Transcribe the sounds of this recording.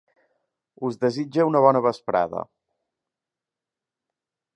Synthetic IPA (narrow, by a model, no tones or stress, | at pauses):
uzðəzid͡ʒəunəβ̞ɔnəβəspɾa̰ðə̰